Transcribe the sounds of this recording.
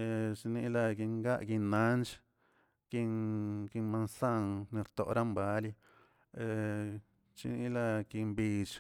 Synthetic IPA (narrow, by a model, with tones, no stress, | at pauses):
e˧t͡ʃni˧˦la˧ɡi˧ŋɡa˦ʔɡi˧nːa˦nt͡ʃ | ki˧ŋɡi˧ma˧nsa˦˧ŋni˧ɾt̪o̰˧ʔɾa˦mba˧˦li˧ | e˧ | t͡ʃḭ˧ni˧la˧ɡi˧mbi˧t͡ʃ